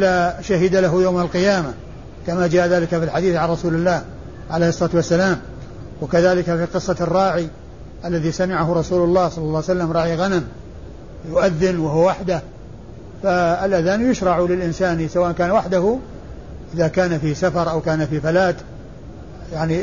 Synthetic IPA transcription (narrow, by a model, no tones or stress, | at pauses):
ʔɪlaʃaɦɪd̪alaɦʊjawmalqɨjaːma | kamad͡ʒaːʔaðaːlɪkafilħad̪iːθʕanrˤɑsuːlɪlːaːh | ʕaleːhɨsˤːɑlɑːt̪wasːalaːm | wakaðaːlɪkafiqɨsˤːɑrˤːɑːʕi | ʔalːaðiːsamɪʕaɦʊɾˤɑsuːlʊlˤːɑːhsˤɑlːɑlːɑːwsalːamɾˤɑːʕiɣanam | jʊʔaðːɪnwahʊwawaħd̪ah | faɪlʔaðaːnjʊʃɾˤɑʕlɪlʔɪnsaːnisawaʔnkaːnwaħd̪ahʊ | ʔɪðakaːnafisafɑɾˤʔawkaːnafifalaːt̪ | jaʕni